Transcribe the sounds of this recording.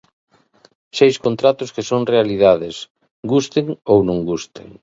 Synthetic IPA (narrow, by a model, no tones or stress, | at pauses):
ʃejskont̪ɾat̪ʊskesoŋrealið̞aðes | ɡust̪eŋownõŋɡust̪ḛŋ